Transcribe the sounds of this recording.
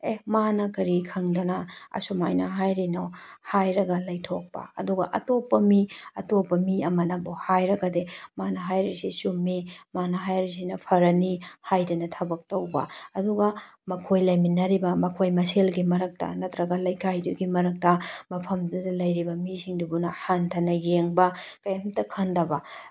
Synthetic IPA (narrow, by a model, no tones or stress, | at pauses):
emanɐkɐɾikʰɐŋdɐnɐɐ̰sumajnɐɦajɾinohajɾɐɡɐlɐjtʰok̚pɐ̰ɐ̰duɡɐ̰ʔɐ̰topːɐmiɐtopːɐmiɐmɐnɐbohajɾɐɡɐdemanɐɦajɾisisumːimanɐɦajɾis̬inɐpʰɐɾɐnihajdɐnɐtʰɐbɐk̚tɐwbɐ̰ɐduɡɐmɐkʰojlɐjminɐɾibɐmɐkʰojmɐselɡimɐɾɐk̚tɐ̰nɐtɾɐɡɐlɐjkʰajduɡimɐɾɐk̚tɐmɐpʰɐmdudɐlɐjɾibɐmisiŋdubunɐhantʰɐnɐɡeŋbɐkɐjɐmtɐkʰɐndɐbɐ